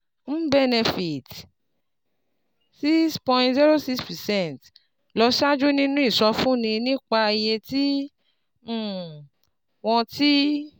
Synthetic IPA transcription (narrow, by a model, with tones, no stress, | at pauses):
m̩˦bɛ˦˨ne˨fi˨t | si˦spɔ̃˧j̃ntzi˦ɾo˦si˦kspɛ˨sɛ̃˦˨nt | lɔ˧ʃa˦d͡ʒu˦nĩ˦nũ˦i˦˨sɔ˧fũ˦nĩ˧nĩ˦k͡pa˧je˧ti˦˨ | w̃ɔ̃˧ti˦